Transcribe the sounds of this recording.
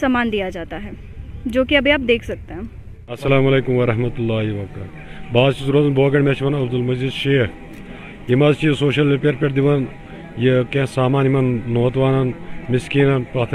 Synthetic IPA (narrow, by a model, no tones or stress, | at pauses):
saːmaːnd̪ijad͡ʒaːt̪aɦɛː | d͡ʒoːkiɐbʱiaːp̚d̪eːkʰsɐk̚t̪eɦɛ̃ː | ɐsːɐlaːmɐleːkumʋɐɾɐɦmɐt̪ulːaːɦiʋɐkaː | baːzt͡ʃizɾozɐnbʱoːɡɐɳmeːt͡ʃʰimɐnɐbd̪ulmɐd͡ʒid̪ʃeːɦ | imɐzt͡ʃisoːʃɐlipeɐɾpeʈd̪iʋɐn | jekẽsaːmaːnimɐnːoːt̪ʋaːnɐnmɪskiːnɐnpaːt̪ʰ